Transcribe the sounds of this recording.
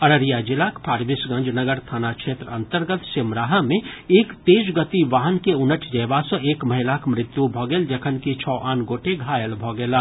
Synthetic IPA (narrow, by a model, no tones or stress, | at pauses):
əɾəɾijad͡ʒɪlaːkpʰaːɾbɪsɡɐ̃nd͡ʒnəɡəɾt̪ʰaːnakʃʰeːt̪ɾəə̃nt̪əɾɡət̪sɪmɾaːɦamẽeːkt̪eːd͡ʒɡət̪iʋaːɦənkeʊnəʈʰd͡ʒɐjbasə̃eːkməɦɪlakmɾɪt̪jubʱɔːɡeːld͡ʒəkʰənkit͡ʃʰɔːʔaːnɡoːʈeɡʱaːjəlbʱɔɡeːlaː